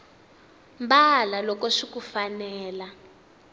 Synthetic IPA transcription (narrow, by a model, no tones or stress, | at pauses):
mbalalɔkɔʂikufanɛːla